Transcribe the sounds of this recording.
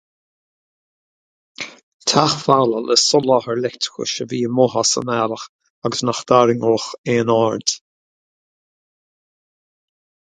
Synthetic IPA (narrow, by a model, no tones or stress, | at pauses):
t̪ʰaxfalələsɔlɔhəɹlɛkt̪ʰɪ̥kə̰ʃəviːəmɔɦasə̰nɛləx | aɡəsnaxd̪̥aɾɪŋoːxeːnɔɹd̪̥